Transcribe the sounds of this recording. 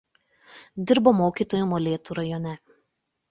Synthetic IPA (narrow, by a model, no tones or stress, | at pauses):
d̪ʲɪɾboːmoːkʲiːˑt̪oːjuˑmoːlʲeːt̪uːɾɐjɔnʲɛ